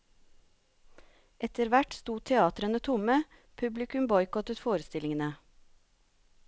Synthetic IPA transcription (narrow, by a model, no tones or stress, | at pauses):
ʔɛt̪əɾʋæʈst̪uːt̪ʰɛɑːt̪ɾənət̪ʰʊmə | pʰʉblɪkʉmbɔʏkɔt̪ət̪foːɾəst̪ɪlɪŋənə